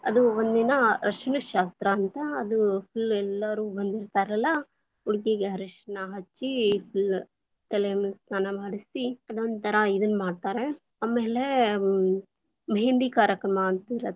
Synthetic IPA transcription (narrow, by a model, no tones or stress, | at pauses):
ɐ̰d̪uond̪inɐɾɐʂɐnɐʃaːst̪ɾɐːnt̪ɐːd̪upʰulɛlːɐɾuːbɐnd̪iɾt̪aːɾɐlːɐ | uɽɡeɡeɦɐɾiʂnɐɦɐt͡ʃːipʰul | t̪elemst̪aːnɐmaːɽisiɐd̪ond̪t̪ʰɐɾɐid̪ɐnːmaːɖt̪aːɾe | aːme̞ːle | mɦeɳɖikaːɾjɐkɾɐmɐːnt̪iɾe